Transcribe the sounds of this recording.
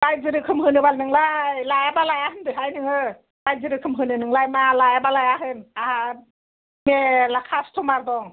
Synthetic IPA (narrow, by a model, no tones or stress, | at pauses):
lajzɯɾɯkʰɯmɦɯnɯbalnɯŋlajlajabalajahɯndɯɦajnɯŋɯ | lajzɯɾɯkʰɯmɦɯnɯnɯŋlajmalajabalajaɦɯnaha | melakʰastʰɔmaɾdɔŋ